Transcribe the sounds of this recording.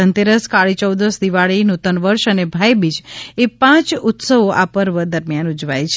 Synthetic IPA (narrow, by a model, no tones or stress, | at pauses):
ənt̪eɾəskaɭit͡ʃəwd̪əsd̪iʋaɭinut̪ənʋəɾʃənebʱajbit͡ʃepãt͡ʃut̪səʋoʔapəɾʋəd̪əɾmjanud͡ʒʋajt͡ʃʰ